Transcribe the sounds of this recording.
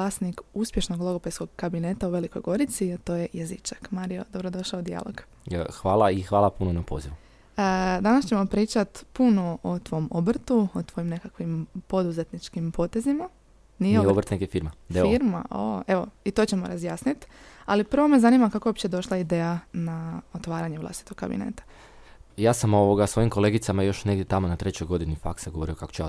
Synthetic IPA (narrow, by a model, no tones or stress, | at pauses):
aːsnikuspje̞ʃnoɡlˠo̞ɡopesko̞ɡkabine̞t̪auʋe̞liko̞jɡo̞ɾit̪siat̪o̞ːje̞jezit͡ʃakmaːɾijo̞d̪obɾo̞d̪o̞ʃlaod̪ija̰lˠo̰ɡ | xʋaːlˠaixʋaːlˠapunonapo̰ziʋu | əd̪anast͡ɕe̞mo̞pɾiːt͡ʃat̪puno̞ot̪ʋo̞mobr̩t̪uot̪ʋo̞jimne̞kakʋimpo̞d̪uze̞t̪nit͡ʃkimpo̞t̪e̞zima | niobɾt̪nekefiːɾmaeiɾma̰oe̞ʋo̞it̪o̞t͡ɕe̞mo̞̰ɾazjaːsnit̪alipr̩ʋo̞me̞zanimakakoopt͡ɕed̪o̞ʃlˠaid̪eːjanaot̪ʋaːɾaɲeʋlˠa̰st̪i̥t̪o̞kka̰bḭnḛːt̪ḁ | jaːsamooʋoɡasʋo̞jimko̞le̞ɡit̪samajo̞ʃne̞ɡd̪ʲjet̪amonat̪ɾet͡ɕojɡo̞d̪inifa̰ksaɡoʋo̞ɾio̞kako̥t͡ɕea̰